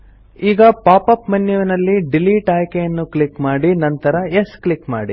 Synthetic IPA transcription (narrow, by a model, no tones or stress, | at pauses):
iːɡɐpaːpɐpmɐnːjɐʋɐnɐlːiɖiliːʈaːjkejɐnːuklikmaːɽinɐnt̪ɐɾɐeskɭikma̰ːɽḭ